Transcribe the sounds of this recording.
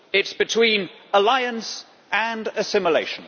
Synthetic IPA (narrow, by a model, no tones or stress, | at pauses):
ɪtsb̥ɨtʰw̥ĩːnəlaɪə̃ns | ʔə̃nəsɪ̃məleɪʃə̃n